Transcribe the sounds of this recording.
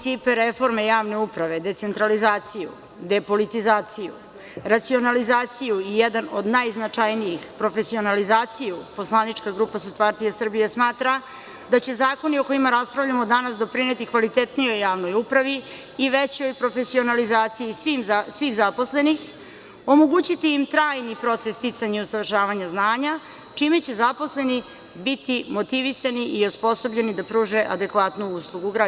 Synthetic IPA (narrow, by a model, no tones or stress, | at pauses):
sipeɾefo̞ɾme̞jaːʋne̞upɾaʋe̞d̪e̞t̪se̞nt̪ɾalizaːt̪sijṵ | d̪e̞po̞lit̪izaːt̪sijṵ | ɾat̪sio̞nalizaːt̪sijuijed̪anod̪najznat͡ʂajnijixpɾo̞fesio̞nalizaːt̪sijupo̞slˠanit͡ʂkaɡɾuːpasuspaɾt̪ijasr̩bijesmaːt̪ɾa | d̪at͡ɕe̞zaːko̞nio̞ko̞imaɾaspɾavʎamod̪anasd̪o̞pɾine̞t̪ikʋalit̪et̪nijo̞jːaːʋno̞jupɾaʋiː | ʋet͡ɕo̞jpɾo̞fe̞sio̞nalizaːt̪sijisʋimsʋiːxzapo̞sle̞nix | o̞moɡuːt͡ɕit̪iːmt̪ɾaːjnipɾo̞t̪sest̪it̪saɲeusaʋr̩ʃaːʋaɲaznaːɲa | t͡ʂimet͡ɕe̞zapo̞sle̞ni | bit̪imo̞t̪iʋisaniʔiospo̞so̞bʎe̞nid̪apɾuːʒe̞ʔad̪e̞kʋat̪nuuslˠuɡuɡɾa